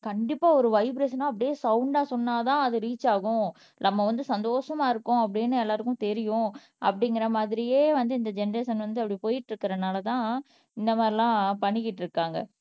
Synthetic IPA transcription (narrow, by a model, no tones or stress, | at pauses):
kɐɳɖɪpːaːɔɾɯʋɐɪbɾes̬nãːɐp̬ːɐɽɪjeːsɐʊɳɖaːsɔnːaːt̪ãːɐðɯɾiːt͡ʃːaːɣʊ̃ | nɐmːɐʋɐnd̪ɯsɐnd̪oːʂɐmaːɪɾɯkːʊ̃ɐp̬ːɐɽɪjnːɯɛlːaːɾɯkʊ̃t̪ɛɾɪjʊ̃ | ʔɐ̰pːɐɽɪŋɡɪɾɐmaːðɪɾɪjeːʋɐnd̪ɯɪnd̪ɐd͡ʒɛnɾeːsɐnʋɐnd̪ɯɐpːɐɽipoːjɪʈːɾɯkːɪɾɐnaːlɐt̪ãː | ɪnd̪ɐmaːd̪ɾɪlãːpɐɳːɪkːɪʈːɾɯkːaːŋɡɐ̰